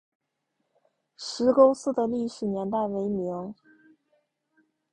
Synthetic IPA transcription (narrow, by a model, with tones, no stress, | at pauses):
ʂɻ̩˧˥ko˥ʊsɹ̩˥˩d̪ə˨li˥˩ʂɻ̩˨˩njɛ˧˥nt̪a˥˩ɪwe˧˥ɪmi˧˥ŋ